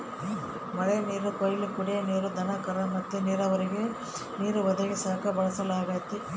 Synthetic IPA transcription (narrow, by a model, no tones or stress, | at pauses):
mɐɭeniːɾukojlikuɽeniːɾud̪ʱɐnɐkɐɾɐmɐt̪ːuniːɾɐʋɐɾiɡe | niːɾuʋɐd̪ɐɡisaːkɐbɐɭɐsɐlaːɡaːjt̪i